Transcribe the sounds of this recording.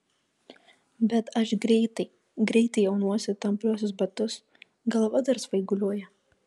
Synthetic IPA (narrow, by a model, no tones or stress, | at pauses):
bʲɛt̪ɐʃɡɾʲɛɪt̪ɐɪ | ɡɾʲɛɪt̪ɐɪjɛʊnuɔsʲɪt̪ɐmplʲuɔsʲʊsbɐt̪ʊs | ɡɐlˠʋɐd̪ɐɾsʋɐɪɡʊlʲuɔjɛ